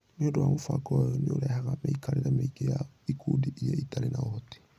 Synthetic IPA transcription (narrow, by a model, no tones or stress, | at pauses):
neodoamofa̰ɡɔjɔneoɾɛhaɣameikʰaɾeɾameiɡeja | ikʰudiʔjaitaɾenaohɔte̥